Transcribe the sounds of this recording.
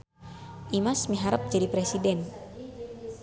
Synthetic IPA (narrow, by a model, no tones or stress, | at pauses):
ʔimasmiɦaɾəp̚d͡ʒadipɾesidɛn